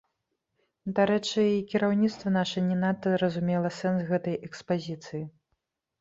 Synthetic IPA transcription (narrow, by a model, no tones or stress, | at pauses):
d̪aɾɛt͡ʂɨikʲiɾawnʲit̪st̪vɐnaʂɐnʲɛnat̪ːɐzɾɐzumʲɛlˠɐsɛnsɣɛt̪ɐjɛkspazʲit̪sɨji